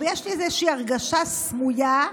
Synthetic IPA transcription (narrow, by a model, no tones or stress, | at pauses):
vejeʃliɛzeʃiːaʁɡaʃasmuja